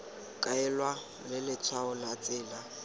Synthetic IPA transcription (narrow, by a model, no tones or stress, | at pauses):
kʼaɛlwa | lɪlɪt͡sʰwaʊlat͡sʼɪːla